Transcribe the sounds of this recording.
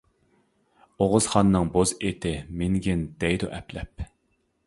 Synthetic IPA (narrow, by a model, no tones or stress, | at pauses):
oʁʊz̥χɑnːɨŋbozet̪ʰɪmɪŋɡʲɪnd̪̥ɛjd̪uʔɛplɛp